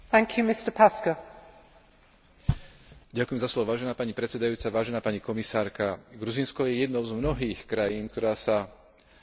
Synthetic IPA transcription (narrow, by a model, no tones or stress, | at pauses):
θæ̃ŋkʰjʉmɪstəpʰaskə | ɟakujɛmzaslɔʋɔʋaːʒɛnaːpaɲipɾɛtt͡sɛd̪ajuːt͡saʋaːʒɛnaːpaɲikɔmisaːɾkaɡɾuziːnskɔjɛjɛd̪nɔʊzmnɔɦiːxkɾajiːnk̚t̪ɔɾaːsa